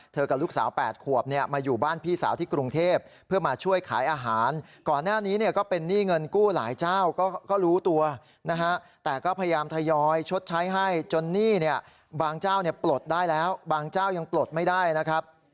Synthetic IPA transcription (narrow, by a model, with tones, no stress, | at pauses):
t̪ʰɤː˧ka˨˩p̚luː˦˥˩k̚sa̰ː˩˦wpɛː˨˩t̪̚kʰu˨˩əp̚ni˥˩ɐmaː˧juː˨˩baː˥˩npʰiː˥˩sa̰ː˩˦wt̪ʰiː˥˩kɾu˧ŋt̪ʰeː˥˩p̚ʰːɯ˥˩ɐmaː˧t͡ɕʰu˥˩əjkʰa̰ː˩˦jʔaː˧ɦaː˩˦nkɔː˨˩nːaː˥˩niː˦˥ni˥˩ɐkɔː˥˩pe˧nːiː˥˩ŋɤ˧nkuː˥˩la̰ː˩˦jt͡ɕaː˥˩wkɔː˥˩kɔː˥˩ɾuː˦˥t̪u˧ɐ | na˦˥kʰa˦˥t̪ɛː˨˩kɔː˥˩pʰa˧ja˧jaː˧mt̪ʰa˧jɔː˧jt͡ɕʰo˦˥t̪̚t͡ɕʰa˦˥jɦa˥˩jt͡ɕo˧nːiː˥˩ni˥˩ɐ | baː˧ŋt͡ɕaː˥˩wni˥˩əplo˨˩t̪̚daː˥˩jlɛː˦˥wbaː˧ŋt͡ɕaː˥˩wja˧ŋplo˨˩t̪̚ma˥˩jdaː˥˩jna˦˥kʰɾa˦˥p̚